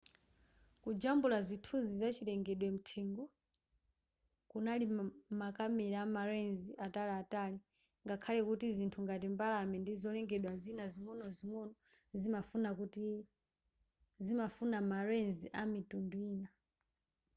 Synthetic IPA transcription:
kud͡ʒambulazitʰuzizat͡ʃilɛŋɡɛɗwɛm̩tʰɛŋɡɔ | kunalimakamɛɾaamaɾɛnziʔataliatali | ŋɡakʰalɛkutizintʰuŋɡatimbalamɛndizɔlɛŋɡɛɗwazinazimwɔnɔzimwɔnɔ | zimafunakuti | zimafunamaɾɛnziʔamitunduiːna

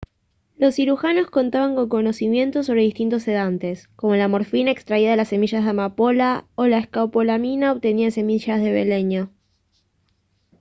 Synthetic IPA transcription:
lo̞sːiɾuxano̞sko̞nt̪aβaŋko̞ŋko̞no̞simje̞nt̪os̬o̞β̞ɾeist̪int̪o̞se̞ð̞ant̪e̞sko̞mo̞lamo̞ɾfinaekst̪ɾaiðaðelasːe̞miʃazðemapo̞laolaeskawpolaminaoβt̪eniase̞miʃazðe̞βḛle̞ɲa

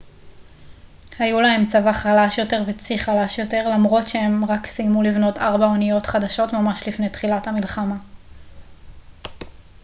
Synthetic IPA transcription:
hajulahe̞mt͡savaχalaʃjo̞te̞ʁvet͡siχalaʃjo̞te̞ʁlamʁo̞tʃee̞mʁaksijmulivno̞taʁbaonijo̞tχadaʃo̞tmamaʃlifne̞jtχilathamilχama

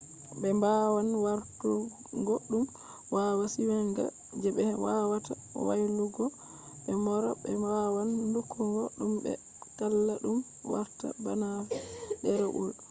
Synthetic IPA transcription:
bɛmbawanwaɾtu | ŋɡɔɗːum | wawasiwɛŋɡa̰ | d͡ʒɛɓɛwawata | wa̰jluɡɔ | ɓɛmɔɾɔɓɛmbawandukʰːuŋɡɔɗumbɛ̰ | kalːaɗum | wa̰ɾta̰banavɛdɛɾɛʔṵɗu

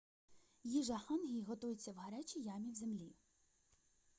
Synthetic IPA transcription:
jiʒɐxɑnɦʲijɦɔt̪ujet͡sʲːɐwɦɐɾɛt͡ʃʲijɑmʲiwzemlʲi

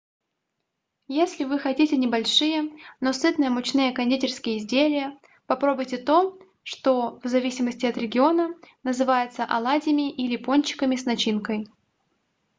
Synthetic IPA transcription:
jesʲlʲɪvɨxɐtʲitʲɪnʲɪbɐlʲʂɨjəno̞sɨt̪nɨjəmʊt͡ɕnɨjəkɐnʲdʲitʲɪrskʲɪjəɪzʲdʲelʲɪjə | pɐpɾo̞bʊjtʲɪt̪o̞ | ʂt̪o̞vzɐvʲisʲɪməsʲtʲɪɐt̪ɾʲɪɡʲɪo̞nənəzɨvajɪt̪səʔɐlˠadʲɪmʲɪʔilʲɪponʲt͡ɕːɪ̥kəmʲɪsnɐt͡ɕinkəj

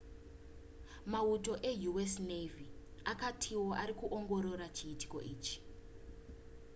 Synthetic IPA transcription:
mauto̞ʔejuwesneviakatʰiwoʔaɾikuʔoŋɡo̞ɾo̞ɾat͡ʃiːti̥ko̰ʔiːt͡ʃi̥

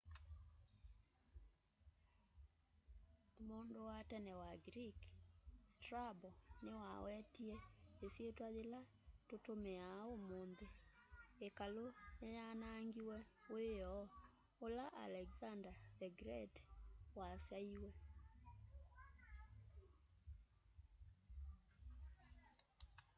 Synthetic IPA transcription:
mondowatɛnɛwaɡɾikstɾabɔnewawɛtiɛesjetwaðela | totomeaomonðeekalonajanaŋɡiwɛweɔ | olaʔa̰lɛɡzandaðɛɡɾɛtwasjaiwɛ

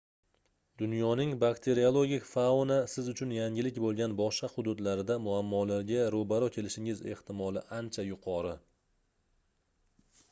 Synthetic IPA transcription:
d̪ʊnjɒnɪŋbakt̪ʰe̞ɾiolˠoɡʲɪkʲfawnasɪzʊt͡ʃʰʊnjaŋʲɪlɪkʲbolˠɡʲanbɒʃɑhʊd̪ʊd̪laɾɪd̪amʊamːɒlaɾɡʲaɾobaɾɒkʲʰe̞lɪʃɪŋɪze̞ht̪ʰɪmɒlˠɪ̰ʔant͡ʃʰajʊqʰɒɾɪ

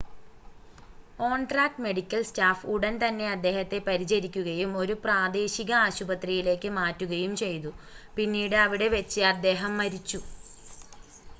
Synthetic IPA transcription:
ko̞ːɳʈraːk̚ʈme̞ɽikʲːɐlstaːfuɽɐnt̪ɐnːe̞ɐd̪ːe̞ːhɐt̪ːe̞pɐɾit͡ɕɐɾikʲːuɣɐjumo̞ɾupraːd̪eːɕiɣɐaːɕubɐt̪rijile̞ːkːɨmaːtːuɣɐjumt͡ɕe̞jt̪upinːiːɽɨɐʋiɽe̞ʋet͡ɕːɨɐd̪ːe̞ːɦɐmːɐɾit͡ɕːu

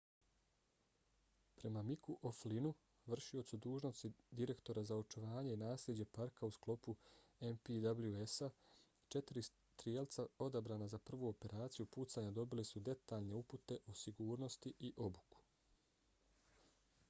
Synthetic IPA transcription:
pɾe̞mamikuʔoflinu | ʋr̩ʃio̞t̪sud̪uːʒno̞st̪id̪iɾe̞kt̪o̞ɾazaot͡ʃuʋaːɲe̞inaːslʲed͡ʑe̞paɾkausklˠo̞puempid̪abluesa | t͡ʃe̞t̪iɾis | t̪ɾijelˠt̪sao̞d̪abɾaːnazapr̩ʋuo̞pe̞ɾaːt̪sijupuːt̪saːɲad̪o̞bilisud̪e̞t̪aːʎne̞uput̪e̞ʔosiɡuːɾno̞st̪iʔiʔo̞buku̥

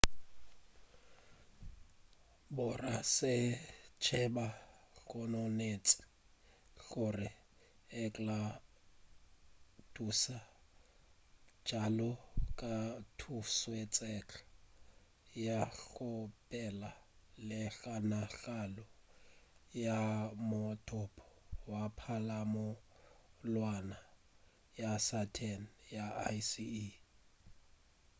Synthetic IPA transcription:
bʊrasɪt͡ʃʰɛbaɬɔnɔnet͡sʼɪ̥ | ɬʊrɪ | ɛkʼla | dusa | d͡ʒ̥alɔkʼatʰuswet͡sʼɛt͡ɬʰḁ | jaɬʊpʼɛlalɪɬanaɬalɔ | jamʊtʰʼʊpʰʼɔ̥wapʰalamʊ | lwana | jasatʰɛnjaa̰sii

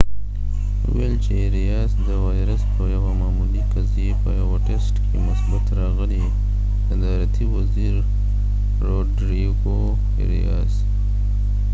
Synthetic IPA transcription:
ṵwelt͡ʃeɾijɑzd̪əwɑjɾəspəjawamɑːmulikazepəjaɣoʈesʈkʰemʊsbat̪ɾɑɣəli | d̪əd̪ɑɾat̪ʰiwaziɾː | oɖɾiɡo | ɾḭjɑ̰z̥

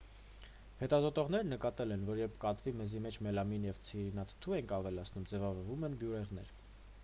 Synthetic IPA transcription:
hɛt̪ɑzɔt̪ɔʁnɛɾnəkɑt̪ɛlɛnvɔɾjɛɾpʰkɑt̪vimɛzimɛt͡ʃʰmɛlɑminjɛvt͡sʰiɾinɑt̪ʰt̪ʰuɛnkʰɑvɛlɑt͡sʰnumd͡zɛvɑvɔɾvumɛnbjuɾɛʁnɛ̰ɾ

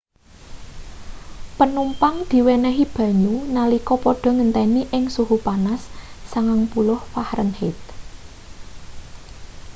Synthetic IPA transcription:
pənumpaŋd̪̥i̤wɛnɛɦib̥ä̤ɲunalikɔpɔɖ̥ɔ̤ŋənt̪ɛniʔɪŋsuɦupanasːaŋaŋpulʊhfahɾənhɪt̪̚

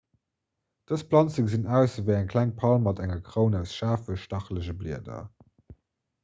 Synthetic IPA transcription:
d̥əspʰlɑnt͡səkzinæʊsəvɛːæŋkʰl̥æŋpʰɑlmːɑtæŋɐkʁəʊnæʊsʃaːfəʃtɑχləʑəblḭədɐ̰

